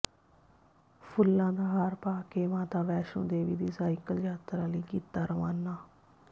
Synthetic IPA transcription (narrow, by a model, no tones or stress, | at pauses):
pʰʊlːãːd̪aːɦaːɾpaːkeːmãːt̪aːʋɛːʃõ̰ːd̪eːʋḭːd̪iːsaːɪkəld͡ʒaːt̪ɾãːləiːkiːt̪aːɾəʋaːnːaː